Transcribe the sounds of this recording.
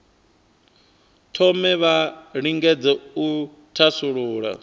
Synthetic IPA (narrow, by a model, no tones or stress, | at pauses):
tʰɔmɛβaɺiŋɡɛd͡zɛu | tʰasuɺuːɺa̰